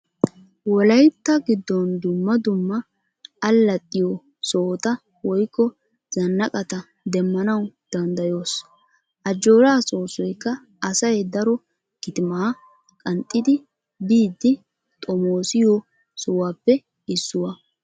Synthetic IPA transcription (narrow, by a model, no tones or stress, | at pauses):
wɔlɐjt̪ːɐɡɪd̪ːɔnd̪ʊmːɐd̪ʊmːɐ | ɐlːɐt̪ʼːɪjo | soːt̪ɐ | wɔjkːɔ | z̥ɐnːɐkʼɐt̪ɐ | d̪ɛmːɐnɐwd̪̥ɐnd̪ɐjo̞ːs | ʔɐd͡ʒːo̞ːɾaːsʼo̞ːsɔjkːɐː | sɐjd̪ɐɾɔ | ɡ̥ɪt̪ɪmaː | kʼɐnt̪ʼːɪd̪ɪ | biːd̪ːɪ | t̪ʼɔmoːsɪjo | sɔwaːpːɛ | ɪsːʊwɐ